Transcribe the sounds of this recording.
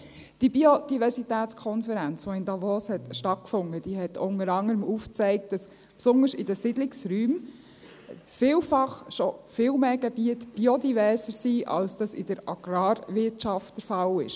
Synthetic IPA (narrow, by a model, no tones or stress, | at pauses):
d̥ibiod̥ivɛɾsitæːtt͡skʰɔnfəɾænt͡sfoɪndɑvoːshɛtʃtɑt̚kfʊnəd̥iːɦɛtʊnəɾɑŋəɾəmuːft͡sɛɪk̚t̚d̥ɑs | psʊnəsɪdəsɪdlɪksɾyːm | fɪːlfɑχʃɔfɪːlmeːɡ̥ɛb̥iətb̥iodivɛːɾsəɾsiːʔɑ̰lsd̥ɑsɪ̰d̥əɾɑɡ̥ɾɑːɾʋɪtʃɑftd̥əɾfɑlɪ̰ʃ